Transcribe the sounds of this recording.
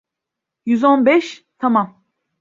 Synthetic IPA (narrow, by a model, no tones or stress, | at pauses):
jyzo̞nbɛʃt̪ʰamam